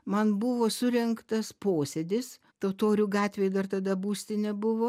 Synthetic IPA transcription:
mɐnbʊʋoːsʊɾʲɛŋkt̪ɐspoːsʲɛd̪ʲɪs | t̪ɐʊt̪oːɾʲʊɡɑːt̪ʲʋʲeːjd̪ɐrt̪ɐd̪ɐbuːsʲt̪ʲɪnʲɛbʊʋoː

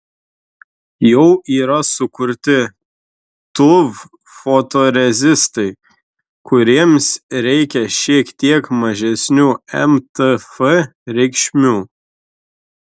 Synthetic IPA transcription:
jɛʊʔiːɾɐsʊkʊɾʲt̪ʲɪ | t̪ʊʋ | fot̪oɾʲɛzʲɪst̪ɐɪ | kʰʊɾʲiɛmsɾʲɛɪkʲɛʃʲiɛkt̪ʲiɛkmɐʒʲɛsʲnʲuːɛmt̪ɨfɛɾʲɛɪkʃʲmʲuː

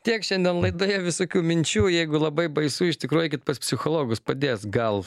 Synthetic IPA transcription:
t̪ʲiɛkʃʲɛnʲd̪ʲiɛnlˠɐɪd̪oːjɛʋʲɪsoːkʲuːmʲɪnʲt͡ʃʲuːjɛɪɡʊlˠɐbɐɪbɐɪsuːɪʃt̪ʲɪkɾuɔjʊkʲɪt̪pɐspʲsʲɪxoːlˠoːɡʊspɐd̪ʲeːsɡɐlˠ

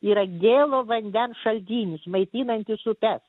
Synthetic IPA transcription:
iːɾɐɡʲeːlˠoːʋɐnʲd̪ʲɛnsʃɐlʲd̪ʲiːnʲɪsmɐɪt̪ʲiːnɐnʲt̪ʲɪsʊpʲɛs

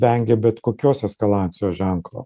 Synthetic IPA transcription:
ʋʲɛŋʲɡʲɛbʲɛt̪koːkʲoːsɛskɐlˠɑːnʲt̪sʲɪjoːʒʲæŋklˠo̰ː

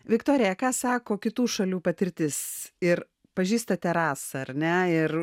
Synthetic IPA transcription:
ʋʲɪkt̪oːɾʲɪjɛkɑːsɑːkoːkʲɪt̪uːʃɐlʲuːpɐt̪ʲɪɾʲt̪ʲɪsɪɾ | pɐʒʲiːst̪ɐt̪ʲɛɾɑːsɐɐrʲnʲɛɪr

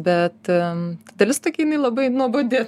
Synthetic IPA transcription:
bʲɛt̪tt̪ɐd̪ɐlʲɪst̪oːkʲɛɪnɐɪlˠɐbɐɪnuɔbod̪ʲeː

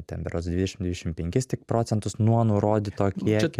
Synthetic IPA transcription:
t̪ʲɛ̰mʲpʲɛɾoːsd̪ʲʋʲɪd̪ʲɛʃʲɪmd̪ʲʋʲɪd̪ʲɛʃʲɪmpʲɛŋʲkʲɪst̪ʲɪkpɾoːt̪sʲɛnt̪ʊsnuɔnʊɾoːd̪ʲɪt̪oːkʲiɛkʲ

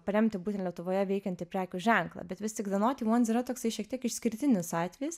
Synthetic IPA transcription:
pɐɾʲɛmʲt̪ʲɪbut̪ʲɛntlʲiɛt̪ʊʋoːjɛʋʲɛɪkʲɛnt̪ʲɪpʲɾʲæːkʲʊʒʲɛŋklˠɐ̰bʲɛt̪ʋʲɪst̪ʲɪkd̪ɐnoːt̪ʲiːmoːnʲsiːɾɐt̪oːksɐɪʃʲiɛk̚t̪ʲiɛkɪʃsʲkʲɪɾʲt̪ʲɪnʲɪsɑːt̪ʲʋʲɛjɪs

